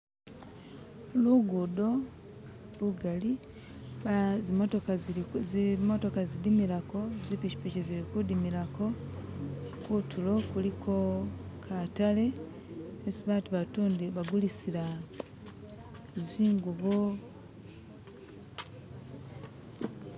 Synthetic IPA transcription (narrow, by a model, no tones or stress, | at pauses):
luɡudo̞ | luɡali | zotoka | mo̞to̞kazidimilakozipici̥piceziɾikudimilako̞ | kutʰulo̞kulikʰo̞kʰatale̞ | esiβaːtuβatuːndiβaɡulisila | ziːŋɡuβo